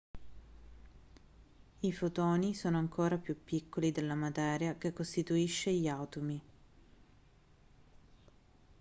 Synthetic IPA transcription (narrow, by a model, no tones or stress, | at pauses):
ifot̪oːnisoːnoaŋkʰoːɾapjupːikʰːolid̪elːamat̪ɛːɾjakekːost̪it̪uiʃːeʎiawt̪umi